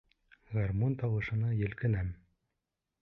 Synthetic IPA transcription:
ʁɑrmont̪ɑwɤ̆ʃɤ̆nɑjĕlkɘnæm

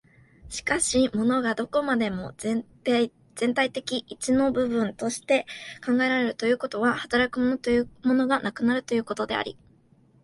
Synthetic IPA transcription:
ɕi̥kaɕimo̞no̞ɡad̪o̞ko̞mad̪e̞mo̞ | z̥ẽ̞nt̪ait̪e̞kʲiʔit͡ɕino̞bɯ̟bɯ̟̃nt̪o̞ɕi̥t̪e̞kãŋɡaeɾaɾe̞ɾɯ̟t̪o̞jɯ̟ːko̞t̪o̞ɡahat̪aɾakɯ̟mo̞no̞t̪o̞jɯmo̞no̞ɡanʔakɯ̟naɾɯ̟t̪o̞jɯ̟ːko̞t̪o̞d̪e̞̰a̰ɾʲḭ

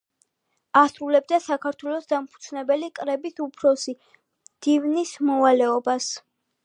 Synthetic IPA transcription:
asɾulɛb̚d̪asakʰaɾt̪ʰwɛlˠɔsd̪ampʰu̥d̪sʰnɛbɛlikʼɾɛbisupʰɾɔsi | md̪̥ivnismɔvalɛɔbas

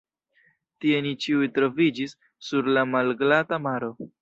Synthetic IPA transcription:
tie̞nit͡ʃiujtɾo̞vid͡ʒisː | uɾlamalɡlatamaɾo̞

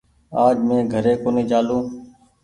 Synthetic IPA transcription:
aːd͡ʒmẽːɡʱəɾeːkoːneːd͡ʒaːlõː

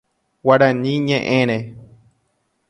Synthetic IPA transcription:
waɾãnɲĩɲẽʔẽɾ̃ẽ

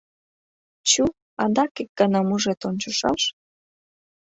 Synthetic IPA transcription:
t͡ɕu | ɑd̪ɑkek̚ɡ̥ɑnɑmuʒet̪onʲt͡ɕoʃɑlʃ

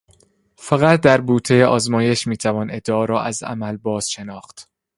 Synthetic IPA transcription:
fæɣæt̪̚ʰd̪æɾbuːt̪ʰejeʔɒːzmɒːje̞ʃmiːt̪ʰævɒːne̞d̪ːeɒːɾɒːʔæzæ̰mælbɒːz̥ʃe̞nɒːxt̪

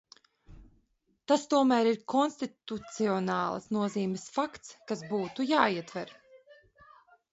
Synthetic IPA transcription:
t̪ast̪uɔmæːɾiɾkɔnst̪it̪ut̪siɔnɑːl̰ˠsnuɔziːmʲɛsfakt̪skasbuːt̪ujaːiɛt̪vɛɾ

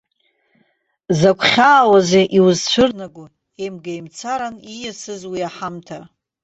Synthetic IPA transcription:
zakʷʰχʲaːwazeʔiwuzt͡ɕʷʰʊrnaɡʷʊ | emɡajmt͡sʰaɾanijasɨzwiaħamtʰa

